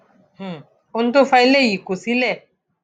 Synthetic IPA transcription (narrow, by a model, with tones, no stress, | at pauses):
h̩˨ | u˧n˦d̪o˦fa˦˧jlɛ˦˨ji˨ku˨si˦lɛ˦˨